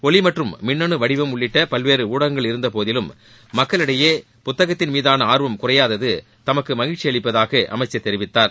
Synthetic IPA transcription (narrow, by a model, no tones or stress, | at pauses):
ɔɭɪmɐʈrɯmːɪɳːɐɳɯʋɐɽɪʋɐmʊɭːɪʈːɐpɐlʋeːɾɯuːɽɐɐŋɡɐɭɪɾɯnd̪ɐpoːðɪlɯmː | ɐkːɐɭɪɽɐjeː | pʊt̪ːɐɣɐt̪ːɪnmiːðaːnɐaːɾʋɐmkʊrɐjaːðɐðɯ | t̪ɐmɐkːɯmɐɣɪɻʈt͡ʃːɪjɐɭɪpːɐðaːɣɐʔɐ̰mɐɪt͡ʃːɐt̪ːɛɾɪʋɪt̪ːaːɾ